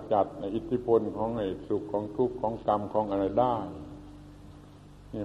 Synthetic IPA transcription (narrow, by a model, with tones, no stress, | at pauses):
t͡ɕa˨˩t̪̚a˧˩ʔi˧t̪ʰi˧˥˩pʰo˧nkʰɔː˨˦ŋʔe˨˩t̪̚su˧kʰːɔː˨˦ŋt̪ʰu˧˥˩kʰːɔː˨˦˥ŋka˧mkʰɔː˨˦ŋʔa˧na˧˩daː˥˩˨ | ni˧˩